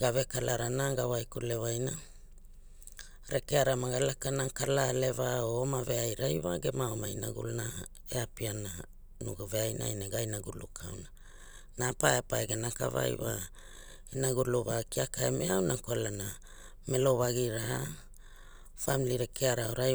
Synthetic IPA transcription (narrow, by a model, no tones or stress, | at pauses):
ɡavekalaɾanaɡawajkule̞vajna | ɾʔekeaɾamaɡalakanakalale̞vaoomave̞ajɾajwa̰ɡe̞maomaina̰ɡṵlna | ḛapiana | nuɡoveajnʔa̰jnaɡajnaɡulukʰa̰wna | napaeapaeɡenaka̰va̰jwa̰ | inaɡuluβakiakʰaemeawnakoalana | me̞lo̞βaɡiɾaa | familiɾekʰeaɾaoɾa